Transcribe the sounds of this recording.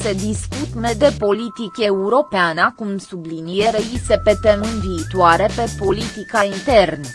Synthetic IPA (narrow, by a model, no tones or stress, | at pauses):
se̞d̪iskut̪me̞d̪e̞po̞lit̪ikʲeuɾo̞peanəkumsublinije̞ɾejisepe̞t̪emɨnviːt̪uaɾe̞pe̞po̞lit̪ikaint̪e̞rn